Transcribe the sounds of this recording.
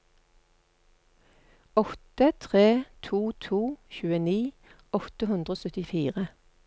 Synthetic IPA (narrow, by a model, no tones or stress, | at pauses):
ɔt̪ət̪ʰʁeːt̪ʰuːt̪ʰuːçʉːəniː | ɔt̪əhʉnd̪ʁoːsœt̪ɪfiːʁə